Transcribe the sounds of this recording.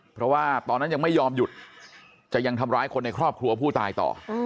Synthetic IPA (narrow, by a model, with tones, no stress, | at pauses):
pʰɾɔ˦˥waː˥˩t̪ɔː˧nːa˦˥ja˧ŋma˥˩jːɔː˧mju˨˩t̪̚ | t͡ɕa˨˩ʔja˧ŋt̪ʰa˧mɾaː˦˥jkʰo˧nːa˧jkʰɾɔː˥˩p̚kʰɾu˧ɐpʰuː˥˩t̪aː˧jt̪ɔ̰ː˨˩